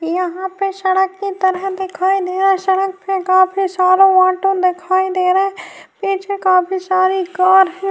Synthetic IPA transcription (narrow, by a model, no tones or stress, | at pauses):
jəɦãpesəɽəkːit̪əɾəɦd̪ɪkʰaːid̪eːɾaɦɛsəɽək̚pekaːpʰisaːɾõãːʈõd̪ɪkʰaːid̪eːɾaɦɛpiːt͡ʃʰekaːpʰisaːɾiɡaːɾɦɛ̃ː